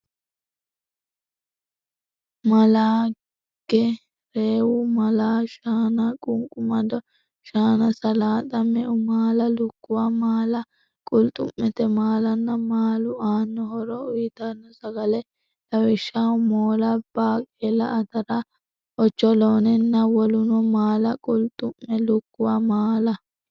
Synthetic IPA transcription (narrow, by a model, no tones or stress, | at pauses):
mɐlaː | ɡ̥ɛ | ɾeːwʊmɐlaːʃaːnɐkʼʊŋkʼʊmɐd̪ɔ | ʃaːnɐsɐlaːt̪ʼɐmɛʔʊmaːlɐlʊkːʊwamaːlɐ | kʼʊlt̪ʼʊ̰mːɛt̪ɛmaːlɐnːɐmaːlʊaːnːɔhɔɾɔʊjɪt̪anːɔsɐɡɐlɛ | d̪ɐwɛʃːamoːlɐb̥aːkʼeːlɐ̰ʔɐt̪ɐɾa | ʔɔt͡ʃːɔloːnɛnːɐwɔlʊnɔmaːlɐkʼʊlt̪ʼʊmːɛlʊkːʊwamaːlɐ